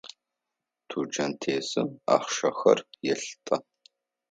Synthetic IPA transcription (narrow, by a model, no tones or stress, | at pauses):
tʰuːd͡ʒɐntʰeːsɨma̰ːχʃɐxɐrjɛɬtʼɐ